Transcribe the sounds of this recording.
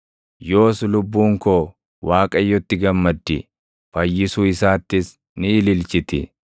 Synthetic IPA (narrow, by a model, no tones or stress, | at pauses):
jo̞ːslʊbːuːŋko | waːkʼɐjːɔt̪ːɪɡɐmːɐd̪ːɪ̰ | fɐjːɪsuːɪsaːt̪ːɪs | nɪːlɪlt͡ʃɪt̪ɪ